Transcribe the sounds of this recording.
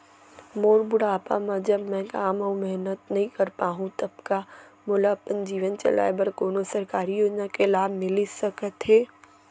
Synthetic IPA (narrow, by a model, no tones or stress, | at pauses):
moːɾbʊɽaːpa̰mãd͡ʑɐbmɛ̃ːkaːmɐũmɛɦnət̪nɐɦĩkɐɾpaːɦũt̪ɐbkamoːlapənd͡ʑiːʋənt͡ʃɐ̰la̰ːebɐɾkoːnosɐɾkaːɾijoːd͡ʒnakelaːbʱmɪlisɐkət̪ɦeː